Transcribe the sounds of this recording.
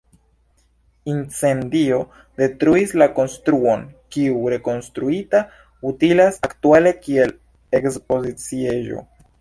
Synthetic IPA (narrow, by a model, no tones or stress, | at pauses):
int͡se̞ndio̞ | de̞tɾuislako̞nstɾuo̞nkiuɾe̞ko̞nstɾuita | utilasaktuale̞kie̞l | e̞kspo̞zit͡sie̞ʒo̞̰